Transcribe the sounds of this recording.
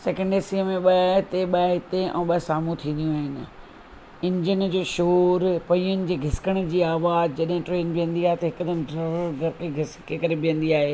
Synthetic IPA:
sɛːkə̃ɳɖeːsiəmẽɓɐɦɪt̪eɓɐɦɪt̪eʔɛ̰̃ːɓɐsaːmũt̪ʰĩːn̆d̪ijũaːɦɪnɪ̆ | ɪ̃ɲd͡ʑənd͡ʑoːʃoːɾpɐiʊnɪ̆d͡ʑeːɡʱɪsɪ̥kəɽ̃d͡ʑiːaːʋaːzd͡ʑɐɗɦɪ̃ʈɾeːnbijə̃nd̪iaːɦet̪ɐɦɪkd̪ɐnɖɾɐɾɡɐɾkeɡʱɪskekɐɾebijə̃nd̪iaːɦeː

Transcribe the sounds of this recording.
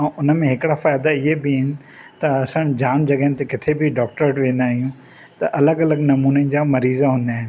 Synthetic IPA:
ʔʊnəmẽɦɪkɪɽafaːjd̪aɪɦebɪɦɪnɪ̆ | t̪ɐɐsə̃ɽ̃d͡ʑaːnd͡ʑɐɡɦɪnɪt̪ekɪt̪ʰebʱɪɖɔːk̚ʈəɾʈʋẽːn̆d̪aːɦijũ | t̪ɐʔɐləɡɐləɡnɐmuːned͡ʑaːmɐɾiːzaɦũːnd̪aːɦɪnɪ̆

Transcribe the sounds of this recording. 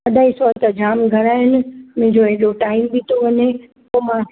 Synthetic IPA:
ɐd̪ʱaːisɔːt̪əd͡ʑaːmɡʱɐɾaːɦɪnɪ̆mɐ̃ɦɪ̃ɲd͡ʑoɛɦɗoʈaːɪmbʱit̪ʰoʋɐɲe | poːmãː

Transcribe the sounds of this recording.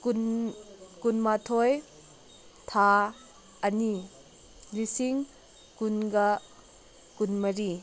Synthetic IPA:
kun | kunmatʰoj | t̪ʰa | ɐni | lisiŋ | kunɡɐ | kunmɐɾi

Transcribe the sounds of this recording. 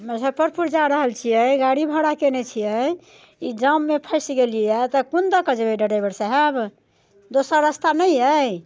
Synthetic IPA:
məsəpəɾpuɾd͡ʒaɾəɦəlt͡ʃʰijəjɡaɽibʱəɽakenet͡ʃʰijəj | id͡ʒəmːepʰəjsiɡeliɛt̪ɔkund̪əkəd͡ʒbeɖəɽajbəɾsaɦɛb | d̪osaɾəst̪anəjəj

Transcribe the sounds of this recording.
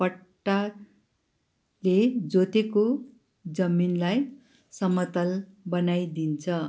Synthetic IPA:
pʌʈːa | led͡zot̪eko | d͡zʌminlaj | sʌmʌt̪ʌlbʌnajd̪int͡sʰʌ

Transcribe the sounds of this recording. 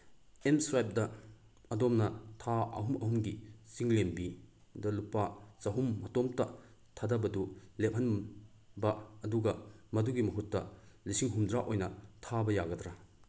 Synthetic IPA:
emsɾajp̚dɐ | ɐdomnɐtʰaɐ̰ɦumɐhumɡisiŋlembidɐlupat͡ʃɐɦumːɐtomtɐtʰadɐbɐdulep̚hɐn | bɐɐduɡɐmɐduɡimɐɦutːɐlisiŋɦumdɾaʔojnɐtʰabɐjaɡɐdɾa

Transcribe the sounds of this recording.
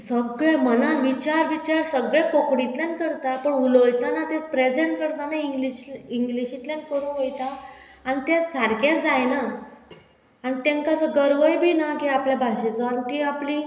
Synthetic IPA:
səɡɭemənanʋit͡ɕaɾʋit͡ɕaɾsəɡɭẽkokɽit̪lankəɾt̪apəɳulojt̪anat̪ẽt͡spɾed͡zeɳʈ̚kəɾt̪anaiŋɡliɕiŋɡliɕit̪lẽnkəɾũːnʋojt̪a | anit̪ɛ̃saɾkãd͡zajna | anit̪ẽŋkasəɡəɾʋəjbʱiːnakiapljabʱaɕet͡sɔanik̪iapli

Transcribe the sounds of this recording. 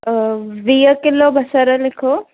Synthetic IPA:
ʋijəkɪlobʱɐsəɾɐlɪkʰo

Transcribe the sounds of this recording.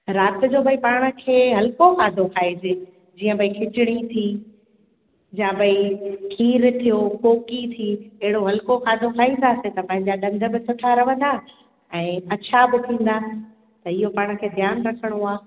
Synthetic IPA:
ɾaːt̪ɪ̆d͡ʑoːbʱɐipaːɽ̃ə̆kʰeːɦɐlkoxaːd̪ʱokʰaːid͡ʑeː | d͡ʑiːə̃bʱɐikʰɪt͡ɕɪɽ̃it̪ʰi | d͡ʑãbʱɐikʰiːɾt̪ʰijokoːkit̪ʰiɛɦɪɽoɦɐlkoxaːd̪ʱokʰaːĩnd̪aːset̪ɐpɐ̃ɦɪ̃ɲd͡ʑaɗɐ̃nd̪ʱə̆bɪsʊʈʰaɾɐʋə̃nd̪aː | ɛ̃ːɐt͡ɕʰabɪt̪ʰĩːn̆d̪a | t̪ɐɪɦopaːɽ̃̆kʰeːd̪ʱjaːnɾɐkʰəɽ̃oaː

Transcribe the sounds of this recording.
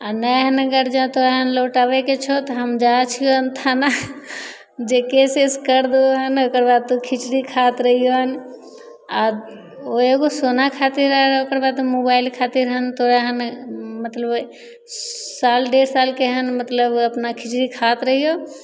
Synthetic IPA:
anɛɦənəɡəɾd͡ʒãt̪oɾɦənloʈabɛket͡ʃʰot̪ɔɦəmd͡ʒat͡ʃʰijoɦənt̪ʰana | d͡ʒekeseskəɾd̪oɦənokəɾbad̪̚t̪okʰit͡ʃɾikʰat̪ɾəɦijoɦən | a | oeɡosonakʰat̪iɾəɦɾokəɾbad̪mobailkʰat̪iɾɦənt̪oɾəɦənmət̪ləb | salɖeɾsalkeɦənmət̪ləbəpnakʰit͡ʃɾikʰat̪ɾəɦijo

